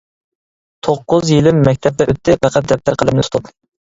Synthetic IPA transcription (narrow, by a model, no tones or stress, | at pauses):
t̪ʰoqːʊzjilɪmːɛk̚ʲt̪ʰɛp̚d̪ɛʔøt̪ʰːɪpæqʰæt̪̚d̪ɛp̚t̪ʰːæɾqʰəlˠɨmnɨsʊ̥t̪ʰup